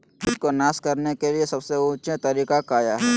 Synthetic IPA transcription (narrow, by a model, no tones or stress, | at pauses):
pʰɪd̪konaːskɐɾnekeliesɐbseuːt͡ʃet̪ɐɾiːkakaːjaɦɛː